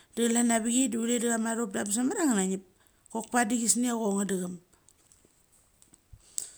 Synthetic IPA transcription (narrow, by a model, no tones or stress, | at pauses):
d̥ɯɣlanabiɡidiulediɣamaɾop̚dabs̬amaɾaŋanaɲip̚ | kok̚padiɡisniaɣoŋadɯɣam